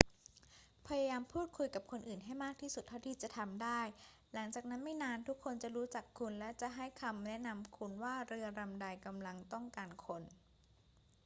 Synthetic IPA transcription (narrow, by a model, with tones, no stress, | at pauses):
pʰa˧ja˧jaː˧mpʰuː˥˩t̪̚kʰu˧jka˨˩p̚kʰo˧nʔɯː˨˩nɦa˥˩jmaː˥˩k̚t̪ʰiː˥˩su˨˩t̪ʰːa˥˩wt̪ʰiː˧˩t͡ɕa˨˩t̪ʰa˧mdaː˥˩j | la˩˦ŋt͡ɕaː˨˩k̚na˦˥nma˥˩jnaː˧nt̪ʰu˦˥kʰːo˧nt͡ɕa˨˩ɾuː˦˥t͡ɕa˨˩kʰːu˧nlɛ˦˥t͡ɕa˨˩ʔɦa˥˩jkʰa˧mnɛ˦˥ʔna˧mkʰu˧nwaː˥˩ɾɯ˧ɐɾa˧mda˧jka˧mla˧ŋt̪ɔ˥˩ŋkaː˧nkʰo˧n